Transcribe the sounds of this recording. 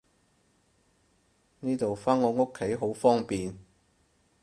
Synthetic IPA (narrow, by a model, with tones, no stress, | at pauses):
niː˥t̪o˨wfaː˥nŋɔː˨˧ŋʊ˥kʰːe˨˥jɦo˨˥wfɔː˥ŋpiː˨n